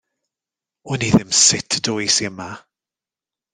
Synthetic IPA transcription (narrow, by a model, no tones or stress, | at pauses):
ʊniðɪmsɪtʰd̥ʊjsiəma